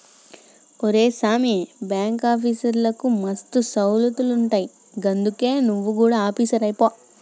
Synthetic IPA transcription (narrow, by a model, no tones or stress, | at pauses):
oɾe̞ːsaːmiebjaːŋkaːpʰiːsɐɾlɐkumɐst̪usɐwlɐt̪uluɳʈaːji | ɡɐnd̪uke̞ːnuʋːukuːɽaːaːpiːsɐɾɐjpoː